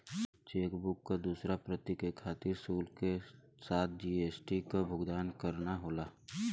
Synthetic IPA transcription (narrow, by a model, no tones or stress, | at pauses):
t͡ʃeːkbʊkːad̪uːsɾapɾət̪ikekʰaːt̪ɪɾsuːlke | saːt̪̚ʰd͡ʒiːeːsʈikabʱʊɡd̪aːnkəɾnaɦoːlaː